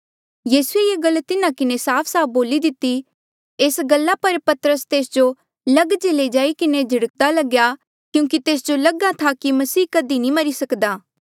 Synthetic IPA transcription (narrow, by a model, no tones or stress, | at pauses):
jiːsuejeːɡɐlːt̪ɪnãkɪnesaːpʰsaːp̚ʰboːlid̪ɪt̪ːi | eːsɡɐlːapɐɾpɐt̪əɾəst̪eːsd͡ʒo | lɐɡd͡ʒeled͡ʒaːikɪned͡ʒʱɐɽək̚d̪alɐɡja | kjũːkit̪eːs̬d͡ʒolɐɡat̪ʰakimɐsiːkɐd̪inĩmɐɾisɐkd̪aː